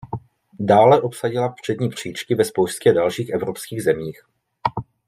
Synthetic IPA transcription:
daːlɛʔo̞psaɟɪlafpr̥ɛdɲiːpr̝̥iːt͡ʃkɪvɛspowscɛdalʃiːxʔɛvɾopskiːɣzɛmiːx

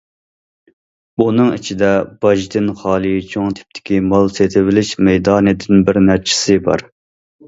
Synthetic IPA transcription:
unɨŋḭt͡ʃʰid̪ɛb̥ɑʒd̪ɪnχɑːlˠit͡ʃʰoŋt̪ʰɪ̥p̚t̪ʰɪ̥kʲimɑlˠset̪ʰɪvɪlɪʃmɛjd̪ɑːnɨd̪ɪnbɪɾnæɾt͡ʃʰɪ̥sɪbɑ̰ɾ

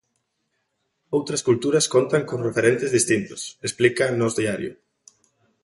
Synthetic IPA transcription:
owt̪ɾɐskult̪uɾɐskont̪aŋkoŋrefeɾent̪ezðist̪int̪ʊ̥sesplikanɔzðiaɾjʊ̰

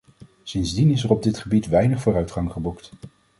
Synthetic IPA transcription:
sɪnzdinɪsərɔb̚dɪtχəbitʋɛjnəχfʊːrœɥtχɑŋχəbukt

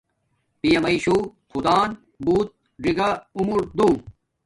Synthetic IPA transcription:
pijɐmɐiɕuxud̪aːn | buːt̪̚ | ɖiɡɐumuɾd̪ũː

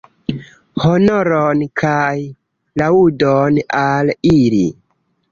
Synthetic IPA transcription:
honoɾonkʰaj | laudonaliɾi

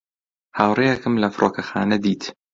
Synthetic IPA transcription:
haːwrejɐkɨmlɐfɾʔoːkɐxa̰ːnɐd̪iːt̪

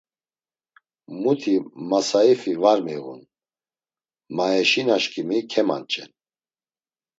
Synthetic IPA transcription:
mut̪ʰimasaifivaɾmiɣṵn | maɛʃinaʃkʰʼimikʰɛma̰nt͡ʃʼɛ̰n

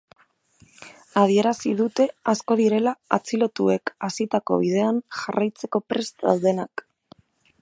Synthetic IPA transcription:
að̞ie̞ɾasið̞ut̪e̞asko̞ð̞iɾe̞laat͡silo̞t̪ue̞kasit̪ako̞̰β̞ið̞e̞anʝarajt͡se̞ko̞pɾe̞st̪a̰wðe̞nak

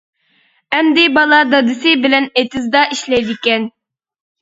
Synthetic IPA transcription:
ɛmd̪ɪbɑlˠɑd̪ɑd̪ɪsɪbɪlɛnet̪ɪzd̪ɑʔiʃlɛjd̪ɪkʲɛn

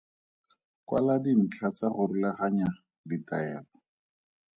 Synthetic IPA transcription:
kwa̰ladin̩t͡ɬʰat͡saχʊrilaχaɲa | ditaɛːlɔ

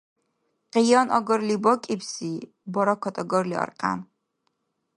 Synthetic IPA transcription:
qʼijɑnʔɔɡɔɾlibɔkʼibsi | bɔɾɔkʰɔt̪ʼɔɡɔɾliɔ̰rqʼa̰n

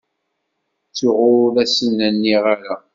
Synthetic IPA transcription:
t͡sːʊʁʊðæsinːænːiʁaɾa

